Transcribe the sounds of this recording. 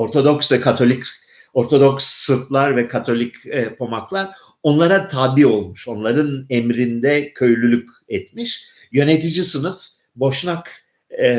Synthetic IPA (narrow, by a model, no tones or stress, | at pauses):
o̞ɾt̪ʰo̞d̪o̞ksvɛkʰat̪ʰo̞lʲic | o̞ɾt̪ʰo̞d̪oksːɯɾt̪lˠaɾvɛkʰat̪ʰo̞lʲicːpʰo̞maklˠaɾ | o̞nlˠaɾat̪ʰaːbio̞lˠmuʃo̞nlˠaɾɯnɛmɾind̪ɛcʰø̞jlʲylʲyc | ɛt̪miʃ | jø̞net̪id͡ʒisɯnɯf | bo̞ʃnakː